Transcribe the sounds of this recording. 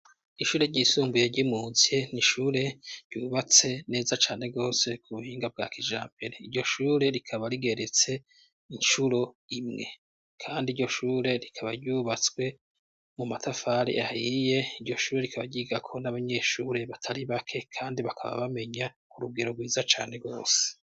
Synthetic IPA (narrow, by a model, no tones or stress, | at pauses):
iʃuːɾe̞ɾɟisuːmbuje̞ɾɟimuːzieniʃuːɾe̞ɾɟuːβat͡se̞ne̞ːzat͡ʃaːne̞ɡo̞ːse̞kʰuβuhiːŋɡab̚ɡa̰ːkiʒa̰ːmbeɾeiɾɟo̞ʃuːɾe̞ɾikʰaβaɾiɡe̞ɾet͡se̞ | inʃuɾo̞ | imŋe̞̰ | kʰaːndiɾɟo̞ʃuːɾe̞ɾikʰaβaɾɟuːβat͡swe̞ | mumatʰafaːɾḭʔahije̞iɾɟo̞ʃuːɾe̞ɾikʰaβaɟiːɡakʰo̞naβaɲe̞ːʃuːɾe̞βatʰaɾiβakʰe̞kʰaːndiβakʰa̰βa̰βame̞ɲa | kuɾuɡe̞ɾo̞ɡwiːzat͡ʃa̰ːne̞ɡo̞̰ːse̥